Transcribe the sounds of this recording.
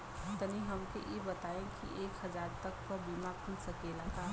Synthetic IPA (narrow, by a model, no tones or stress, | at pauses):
t̪ɐniɦɐmkḛʔjebɐt̪aːẽkḭʔeːkɦɐzaːɾt̪ɐk̚pɐɾbiːmakʰʊlsɐkeːlaːk̪aː